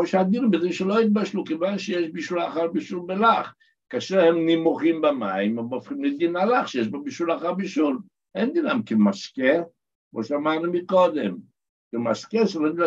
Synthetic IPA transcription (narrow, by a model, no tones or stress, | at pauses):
oʃad̪iɾmbeziʃelo̞it̪̚baʃlukevanʃejeʃbiʃulaχaʁbiʃulbelaχ | kaʃehemnimoχimbamaimemofχimlid̪inalaχʃejeʃbobiʃulaχaʁbiʃul | ʔend̪inamkemaske | kmoʃeamaʁnumiko̞d̪em | kemaskeʃelond̪la